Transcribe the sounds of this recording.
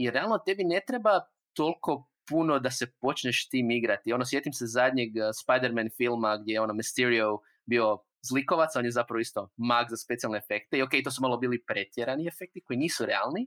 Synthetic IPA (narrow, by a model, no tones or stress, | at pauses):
jɾealˠno̞t̪e̞bine̞t̪ɾeba | t̪o̞lˠko̞puno̞d̪ase̞po̞t͡ʃɲeʃt̪iːmiɡɾat̪io̞nos̬je̞t̪imsezad̪ʲɲeɡspajd̪eɾmenfilˠmaɡd̪jejeo̞nomist̪eɾio | bio̞ | zliko̞ʋat̪saonjezapɾaʋoist̪o̞maɡzaspe̞t̪sialneefe̞kt̪eio̞kejt̪o̞sumalˠo̞biːlipɾe̞t̪jeɾaniefek̚t̪iko̞iniːsuɾea̰lˠni